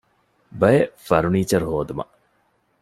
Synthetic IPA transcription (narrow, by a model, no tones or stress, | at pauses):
bɐjefɐɾuniːt͡ʃɐɾhoːd̪umɐ̰ʔ